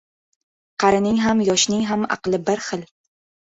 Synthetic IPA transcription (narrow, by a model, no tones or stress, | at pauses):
qʰɑɾɪnɪŋɦamjɒʃnɪŋɦamɑ̰qlˠɪbɪɾχɨl